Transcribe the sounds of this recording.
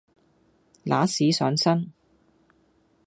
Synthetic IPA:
la̰ː˨˥siː˨˥sœː˨˥ŋsɐ˥n

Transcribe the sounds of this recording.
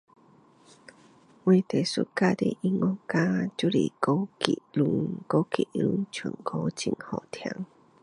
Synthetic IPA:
we˧˩t̪e˨˩sṵ˦˥t̚ka˦t̪ḛ˧ʔi˧ŋɔ˦ka˦t͡ɕu˦˥lḭ˨˩ko˦kḭ˨˩lu˧ŋko˧˦kḭ˨˩lṵ˧˦nt͡ɕʰu˨˩nkʰo˧˦t͡ɕi˧˩ŋhɔ˨˩t̪ʰja̰˧˦ŋ

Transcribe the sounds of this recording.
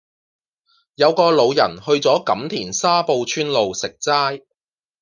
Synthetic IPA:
jɐ˨˧wkɔː˧lo˨˧wjɐ˨˩nhɵ˧ɥt͡sɔː˨˥kɐ˨˥mt̪ʰiː˨˩nsaː˥po˧wt͡ʃʰyː˥nlo˨˧wsɪ˨k̚t͡saː˥j

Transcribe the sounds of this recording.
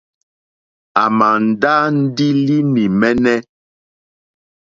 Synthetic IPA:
a˨ma˨n̩˨da˦n̩˦di˦li˦ni˨mɛ˦nɛ˦

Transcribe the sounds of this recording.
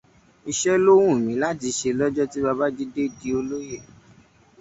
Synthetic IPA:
i˧ʃɛ˦lo˦w̃ũ˦˨mĩ˨˦la˦ti˨˧ʃe˧lɔ˦d͡ʒɔ˦ti˦ba˧ba˦d͡ʒi˦de˦˨di˨˦o˧lo˦je˦˨

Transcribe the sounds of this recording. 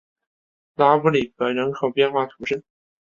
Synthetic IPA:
la˥pu˧˥li˨˩pə˨˧˩ɻə˧˥ŋkʰɤ˨˩ʊpjɛ˥˧nxwa˥˩t̪ʰu˧˥ʂə˥˩n

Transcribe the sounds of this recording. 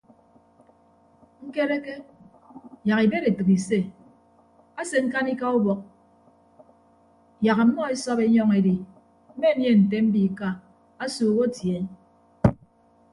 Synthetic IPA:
ŋ̩˦ke˦ɾe˦ke˦ | ja˨ki˨be˦ɾe˨tɨ˨ki˨se˦˨ | a˦se˨ŋ̩˦ka˦ni˦ka˦u˦bɔ˨k̚ | ja˨ka˨˦mɔ˦e˦sɔ˦be˦ɲɔ˦ŋe˨di˨ | m̩˦me˦˨˦nje˦˨n̩˨te˦m̩˦bi˨ka˦ | a˦suː˨˦ɣo˦tje˨˦n

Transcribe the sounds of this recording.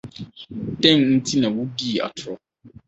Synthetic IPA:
tɛ̃˦nn̩˦tʰi˦nã˨wu˦di˦˨a̰˨tʰʊ˨ɾɔ˦

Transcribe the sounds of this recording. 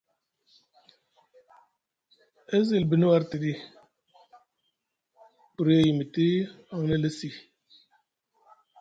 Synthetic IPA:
e˦zi˨lbi˨nu˦wa˦ɾti˨di˦ | pu˨ɾje˨ji˨mi˨ti˦ | a˨ŋ˦nə˦lə˦si˨

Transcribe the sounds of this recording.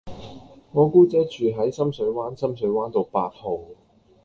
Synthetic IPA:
ŋɔː˨˧kuː˥t͡sɛː˨˥t͡ʃyː˨˩ɦɐ˨˥jsɐ˥msɵ˨˥ɥwaː˥nsɐ˥msɵ˨˥ɥwaː˥nt̪o˨˧wpaː˧t̚ho˨w

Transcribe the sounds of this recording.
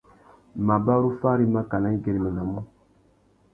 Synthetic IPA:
ma˨ba˦ɾu˦fa˦ɾi˦ma˦ka˨na˦ŋ˦ɡɛ˨ɾi˨mɛ˨na˨mũ˦

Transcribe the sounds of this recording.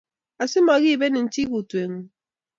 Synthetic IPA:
a˨si˦mɔ˨ɣi˦˨be˦nɪ˨n̩˦t͡ʃi˦ɣu˨twe˨ŋ̩˦

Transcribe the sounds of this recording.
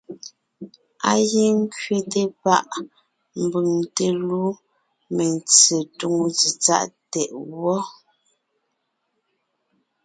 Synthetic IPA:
a˦je˦ŋ˦kɥe˨te˦pa˦ʔ | m̩˨bʉ˨ŋte˨lu˦ | me˨nt͡se˨tu˨ŋ˨zi˨t͡sa̰˦ʔtɛ˨ʔwɔ˦

